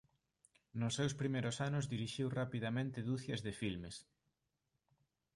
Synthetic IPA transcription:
nʊsːewspɾimejɾosanʊzðiɾiʃiwrapiðamẽnt̪ɪðuθjɐzðɪfilmes

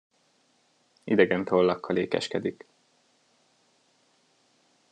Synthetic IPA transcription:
id̪ɛɡɛnt̪oːlːɒkːɒleːkɛ̰ʃkɛd̪ik

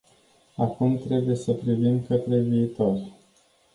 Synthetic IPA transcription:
akumt̪ɾe̞buje̞səpɾivimkət̪ɾe̞viːt̪o̞rʲ

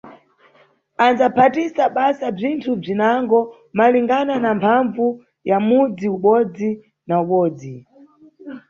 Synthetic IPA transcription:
anzapʰatisaɓasab͡ʐintʰub͡ʐinaŋɡɔ | maliŋɡananampʰaɱvu | jamud͡ziuɓɔd͡zi | nauɓɔːd͡zi

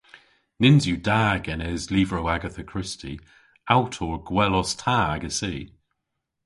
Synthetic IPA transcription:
nɪnzjudaːɡɛnɛzliːvɹəʊaɡəθəkʰɹ̥ɪstʰḭ | awtʰɔɹɡ̥wɛlɔstʰaːɡəsiː

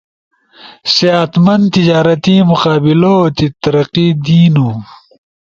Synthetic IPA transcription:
seat̪mɐnd̪t̪id͡ʑaːɾɐt̪imuqaːbilot̪it̪ɐɾɐqid̪iːnu

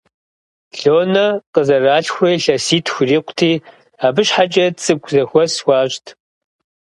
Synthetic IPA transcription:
ɬoːnɐqəzɐraːɬxʷejɬɐsiːtʰxʷriːqʷʊ̥tʰiː | aːbɨɕħat͡ʃʼɐt͡sʼɨɡʷʰʼzɐxʷɔsxʷɑːɕtʰ

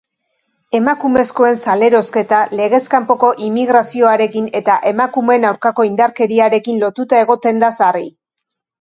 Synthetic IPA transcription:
e̞makume̞sko̞e̞nsale̞ɾo̞ske̞t̪ale̞ɣ̞e̞skampo̞ko̞ʔimiɣɾasio̞aɾe̞kine̞t̪aʔe̞makume̞nawɾkako̞ind̪aɾke̞ɾiaɾe̞kinlo̞t̪ut̪ae̞ɣ̞o̞t̪e̞nd̪asari

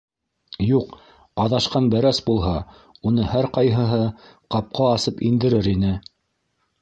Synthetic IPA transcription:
juq | ɑðɑʃqɑnbæɾæsbulˠɦɑ | unɤhæɾqɑjɦɤ̆ɦɤqɑp̚qɑːsɤpind̪ɘ̆ɾɘɾinɘ

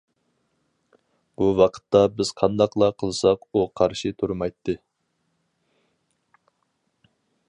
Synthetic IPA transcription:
b̥uwɑqʰə̥t̪ːɑbɪz̥qʰɑnd̪ɑqlˠɑqʰəlˠsɑquqʰɑɾʃit̪ʰuɾmɑjt̪ʰːɨ

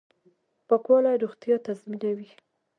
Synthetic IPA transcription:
pəkwɑlaɾuxt̪jɑt̪azminawi

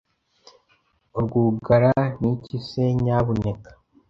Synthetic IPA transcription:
uɾɡuːɡaɾanicise̞ɲaːβone̞kḁ

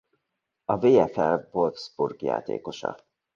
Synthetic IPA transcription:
ɒveːɛfɛlvolfz̥burɡja̰ːt̪ḛːko̞ʃɒ̰

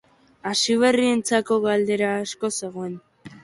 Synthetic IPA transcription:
asiβ̞e̞rie̞nt͡sako̞ɣald̪e̞ɾaːsko̞se̞ɣ̞oen

